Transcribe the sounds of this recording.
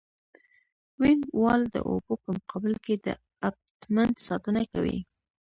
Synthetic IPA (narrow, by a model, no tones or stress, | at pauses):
wɪŋɡwɑld̪ə̰ʔo̰bopəmʊqʰɑbɪlked̪ə̰ | ab̚t̪mand̪sɑt̪ənakawḭ